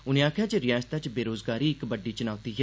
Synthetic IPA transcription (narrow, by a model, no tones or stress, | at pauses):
ʊnẽːaːkʰjaːt͡ʃeɾɪjaːst̪at͡ʃbeːɾoːzɡaːɾiːɪkbəɖiːt͡ʃʊnaːt̪iːɦɛː